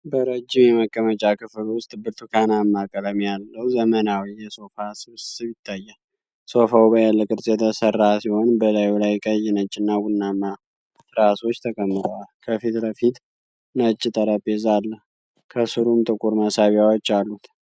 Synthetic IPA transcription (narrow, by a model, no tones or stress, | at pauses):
bəɾəd͡ʒːimjɛməkʼːəmət͡ʃʼakʰɨflwʊst̪ʼbɨɾt̪ʰukʰanamːakʼələmjalːəhzəmənawijɛso̞fasɨβssɨβjɪt̪ʰːajːa | so̞fawbəjalːəkʼɨɾsʼjɛt̪ʰəsərːasiho̞nbəlajulajkʼəjnət͡ʃʼːɪnːaɡʊnːamːa | ɾaso̞t͡ʃːt̪ʰəkʼəmːɨt̪ʼəwalkʰəfit̪ləfit̪ | nət͡ʃʼːɪt̪ʼəɾəbezalːəh | kʰəsɨɾumt̪ʼɨkʼuɾməsaβjawot͡ʃːalːut̪